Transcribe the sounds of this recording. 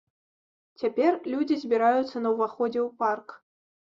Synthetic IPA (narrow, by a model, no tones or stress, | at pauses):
t͡sʲapʲɛrlʲud͡zʲizʲbʲiɾajut̪sːɐnɐwvaxɔd͡zʲɛwpark